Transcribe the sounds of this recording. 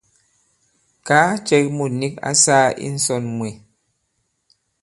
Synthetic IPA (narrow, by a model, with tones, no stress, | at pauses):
kaː˦t͡ʃɛ˦k̚mu˨ni˦ka̰˦saː˦ḭ˦n̩˦sɔ˦˨nmwe˨